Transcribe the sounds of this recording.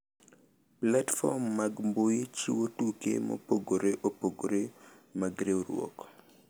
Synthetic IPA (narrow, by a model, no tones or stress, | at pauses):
platfɔ̰mːaɡmbojet͡ʃiwotukḛmo̰poɡoɾeʔopoɡoɾe | maɡɾeoɾwɔ̰k